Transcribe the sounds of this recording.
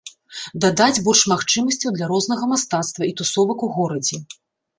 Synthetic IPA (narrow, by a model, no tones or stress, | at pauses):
d̪ad̪ad͡zʲbɔrʂmaxt͡ʂɨmɐsʲt͡sʲɐwd̪lʲaɾɔznɐɣɐmast̪at̪st̪vɐit̪usɔvɐkuɣɔɾɐd͡zʲɛ